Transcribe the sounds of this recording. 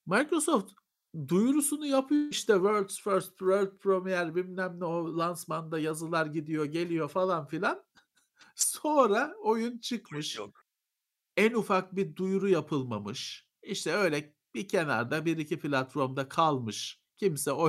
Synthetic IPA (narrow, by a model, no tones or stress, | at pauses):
makɾo̞so̞ft̪ | d̪ujɾusunujapʰɯjoiʃt̪ʰɛvøɾt̪sføɾst̪pɾøɾt̪̚pʰɾomijæɾbimnæmnɛolˠansmand̪ajazɯlˠaɾɟid̪ijo̞ɟe̞lʲijo̞falˠanfilʲan | so̞nɾaojunt͡ʃʰɯkmɯʃ | ænufak̚bid̪ujɾujapʰɯlˠmamɯʃ | iʃt̪ʰɛø̞jlʲɛ | bicʰe̞na̰ɾd̪abiɾicipʰilʲat̪foɾmd̪akʰalˠmɯʃ | cʰimsɛo